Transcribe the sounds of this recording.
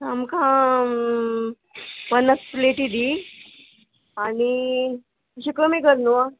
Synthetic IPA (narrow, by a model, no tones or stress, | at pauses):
tamkʰã | pənːəspleʈid̪i | ani | əɕikəmikəɾnoa